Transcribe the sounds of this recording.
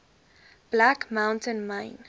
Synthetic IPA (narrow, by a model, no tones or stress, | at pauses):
b̥lækmãw̃ntə̃nmãɪ̃n